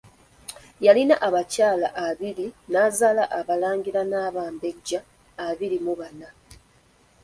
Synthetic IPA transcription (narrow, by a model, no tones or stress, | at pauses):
jalinaʔaβacaːlaʔaβiɾinaːzaːlaʔːβalaːɲɟiɾanaːβaːmbe̞ɟːaː | βiɾimuβana